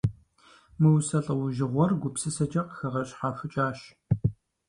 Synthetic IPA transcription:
mɨwsɐɬʼɐwʊʒɪʁʷɔrɡʷʊpsɨsɐd͡ʒɐqxɐʁɐɕʼħafɨt͡ʃʼaːɕ

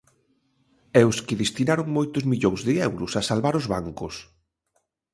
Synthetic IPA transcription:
ɛʊskɪðest̪inaɾʊŋmojt̪ʊzmiʎoŋzðɪɛwɾʊsasalβaɾʊzβaŋkʊs

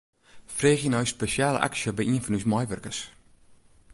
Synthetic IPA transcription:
freːχjənœɥspeʃiaːlə̰ʔa̰ksiəbɛjʔiənfɔnysmɐjʋərkəs

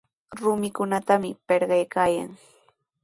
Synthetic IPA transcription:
ɾʊmɪkʊnat̪amɪpeɾɢɑjkaːja̰ŋ

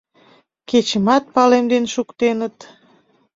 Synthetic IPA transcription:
ket͡ɕəmɑt̪̚pɑlemd̪enʃukt̪enət̪

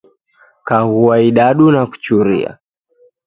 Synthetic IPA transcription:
kaɣuaiɗaɗunaku̥t͡ʃuɾḭa̰

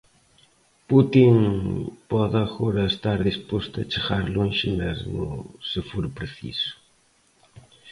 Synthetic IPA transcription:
put̪iŋpɔðaɣɔɾɐest̪aɾðispost̪ʊɐt͡ʃeɣaɾlʊẽnʃinaznʊ̰sɪfoɾpɾeθḭsʊ̥

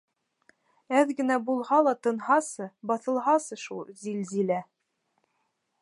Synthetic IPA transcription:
æðɡɘ̆næbulˠhɑlˠɑt̪ɤ̆nɦɑsɤbɑθɤ̆lˠɦɑsɤʃulˠzilzilæ

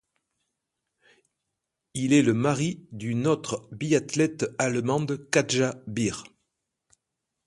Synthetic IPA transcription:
ilɛləmaʁid̪ynɔt̪χbiat̪lɛt̪almɑ̃d̪kaʒabiʁ

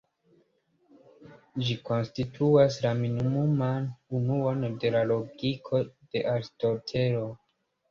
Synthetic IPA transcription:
d͡ʒiko̞nstitʰuaslaminimumanunuo̞nde̞lalo̞ɡikʰo̞d̥e̞ʔaɾsto̞ɾtʰe̞ɾo̞

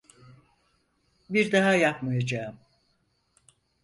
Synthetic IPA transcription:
biɾd̪aɦajapmɯjad͡ʒaːɯm

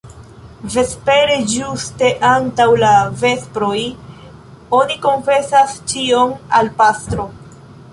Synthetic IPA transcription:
ve̞spe̞ɾe̞d͡ʒuste̞ʔantawlave̞spɾo̞j | o̞niko̞nfe̞sast͡ʃiona̰lpastɾo̞

